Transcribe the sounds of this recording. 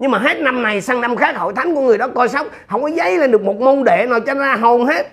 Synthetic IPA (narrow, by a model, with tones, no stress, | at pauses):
ɲɨ˧ŋmaː˨˩ɦe˦˥t̚na˧mna˨˩jsa˧ŋna˧mxaː˦˥k̚ho̰˧˨jt̪ʰa˨˦ŋku˧˩əŋɨ˨˩əjɗɔ˨˦kɔ˧jsa˦˥wk͡p̚hə˧˩wŋ͡mkɔ˨˦zə˧˦jlaː˨˩ɗɨ˨˩ək̚mo˨˩t̚mo˧nɗe˧˨nɔ˨˩t͡ɕɔ˧˦zaː˧ɦo˨˩nhe˦˥t̚